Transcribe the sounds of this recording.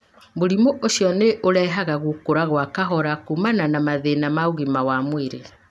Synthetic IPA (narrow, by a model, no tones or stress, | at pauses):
boɾimoʔoʃjɔneʔoɾɛːɦaɣaɣukoɾaɣwakaɦɔɾakumananamaðenamaoɣimawamweɾe